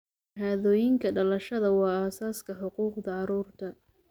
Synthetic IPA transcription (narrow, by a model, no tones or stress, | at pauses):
ɦaːðɔːjɪŋkʰɐɖɐlɐʃɐðɐwɑːaːsaːskʰɐħʊquːqd̪ɐʕɑɾuːrt̪ʰɐ